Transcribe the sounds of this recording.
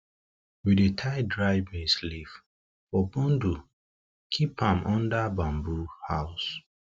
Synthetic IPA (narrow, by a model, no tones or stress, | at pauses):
widetʰaɪdɹaɪbẽslif | bɔbɔ̃ndu | kʰipãmʔɔ̃ndabãmbuhaʊs